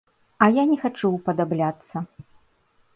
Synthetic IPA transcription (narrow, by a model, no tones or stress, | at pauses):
ɐjanʲɛxat͡ʂuwpɐd̪ablʲat̪sːɐ